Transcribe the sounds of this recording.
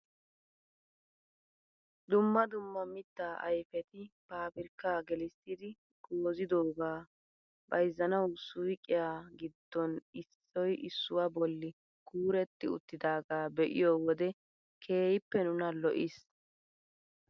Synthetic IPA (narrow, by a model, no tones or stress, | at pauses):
d̪ʊmːɐd̪ʊmːɐmɪt̪ːaːʔɐ̰jfɛt̪ɪb̥aːbɪɾkːaːɡɛlɪst̪ːɪd̪ɪ | ɡ̥oːzɪd̪oːɡaː | bɐjzːɐnɐwsʊjkʼːɪjaːɡɪd̪ːɔnɪsːɔjɪsːʊwabɔlːɪ | kʰuːɾɛt̪ːɪʊ̰t̪ːɪd̪aːɡaːbɛʔɪ̰joːwɔd̪ɛ | kʰe̞ːjɪpːɛnʊnɐlɔʔɪs